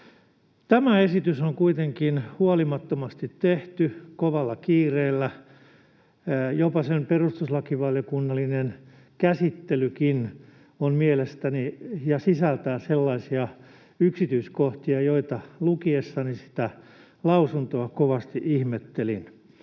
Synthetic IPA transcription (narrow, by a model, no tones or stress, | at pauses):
t̪æmæesit̪ysoŋkuit̪eŋkinhuɑlimɑt̪ːomɑst̪it̪teht̪ykoʋɑlːɑkiːreːlːæ | jopɑsemperust̪uslɑkiʋɑljokunːɑlːinen | kæsit̪ːelykin | onmielest̪ænijɑsisælt̪æːselːɑisiɑ | yksit̪yiskoht̪iɑjoit̪ɑlukiesːɑnisi̥t̪æ | lɑusunt̪oɑkoʋɑst̪iʔihmet̪ːelḭn